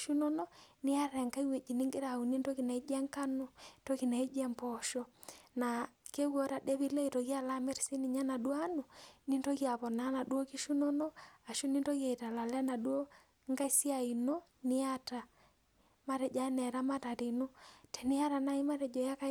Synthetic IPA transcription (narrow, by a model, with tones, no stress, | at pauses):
ʃu˦nɔ˦nɔ˦ni˦a˦ɾɛ˨ŋka˦i˦we˨d͡ʒi˨ni˦ŋɡe˦ɾa˨u˨ni˦nto˦ki˨na˨i˦d͡ʒɛ˦ŋka˦no˦tɔ˦ki˨na˨i˦d͡ʒɛ˦mpɔ˨ʃɔ˦na˨ke˦ɣɔ˦ɾa˨dɛ˦βi˦le˦i˨tɔ˨ɣja˦˨la˦mɛ˦ɾsi˦ni˨ɲa˦na˨dwa˦nu˨ni˦nto˦ɣja˨βɔ˨na˦na˨du˦o˦ki˦ʃu˦nɔ˦nɔ˦a˨ʃu˦ni˦nto˦ɣja˨i˨ta˨la˨lɛ˦na˨dwo˦ | ŋɡa˦si˦a˨i˨no˦ | ni˦a˦ta˨ | ma˦ɾɛ˨d͡ʒa˦nɛ˨ɾa˦ma˦ta˨ɾi˨no˦tʰɛ˨ni˦ja˦ɾa˨na˦i˦ma˦ɾɛ˨d͡ʒɔ˨ja˦ka˦